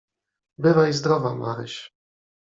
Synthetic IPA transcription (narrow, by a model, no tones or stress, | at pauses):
bɘvaizd̪ɾɔvama̰ɾɘ̰ɕ